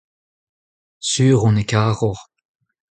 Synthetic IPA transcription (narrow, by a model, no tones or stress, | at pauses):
syːʁɔ̃nekaːʁɔʁ